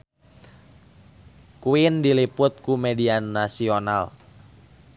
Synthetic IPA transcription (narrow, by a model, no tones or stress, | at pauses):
kuindilipʊt̪̚kumɛdianasiona̰l